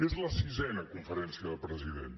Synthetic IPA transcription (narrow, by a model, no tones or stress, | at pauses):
ezlˠɐsizɛnɐkũfəɾɛ̃nsjɐðɐpɾəziðḛ̃nt̪